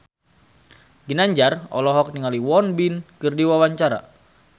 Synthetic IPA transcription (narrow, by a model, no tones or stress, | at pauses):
ɡinaɲd͡ʒarɔ̰lɔɦɔk̚niŋaliwɔnbinkɨrdiwawaɲt͡ʃaɾa̰